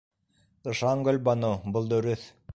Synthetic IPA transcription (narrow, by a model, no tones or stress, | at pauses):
t̪ɤ̆ʃɑŋɡɵlbɑnɤbɤlˠd̪ɵ̆ɾɵθ